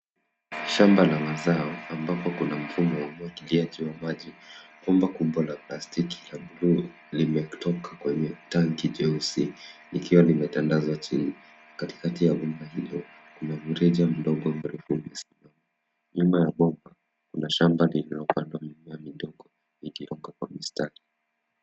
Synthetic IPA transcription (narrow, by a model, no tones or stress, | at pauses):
ʃambalamazaɔambapɔkunam̩fumɔwamwakiliad͡ʒiwamaʄiɓɔmbakuɓwalaplastiki̥laɓlu | limɛtʰɔkakwɛɲɛtaŋkid͡ʒɛusinikiwanimɛtandazwat͡ʃini | nakati̥katijaɓɔmahilɔ | kunavuɾɛʄam̩ɗɔɡɔmaɾifumɛsi̥mama | ɲumajaɓɔmba | kunaʃambalinalɔpandwamimajamiɗɔɡɔ | iliɔŋɡakwa̰mistaɾi